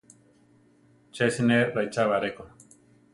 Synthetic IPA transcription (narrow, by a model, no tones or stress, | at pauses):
t͡ʃesineɾajt͡ʃaβaɾeko